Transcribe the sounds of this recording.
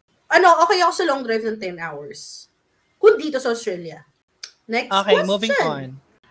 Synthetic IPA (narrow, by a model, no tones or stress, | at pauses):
ʔɐno̞ʔoːkɛjɐkosɐlɔŋd̪ɾajvnɐnt̪ɛnʔawɛɹs | kʊnd̪iːt̪osɐʔɐst̪ɹɛljɐ | nɛkokemuvɪ̃ŋɐn